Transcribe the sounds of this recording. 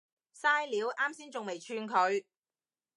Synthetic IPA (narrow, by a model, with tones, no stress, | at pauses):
saː˥jliː˨˧wʔaː˥msiː˥nt͡sʊ˨ŋme˨˩jt͡ʃʰyː˧nkʰɵ˨˧ɥ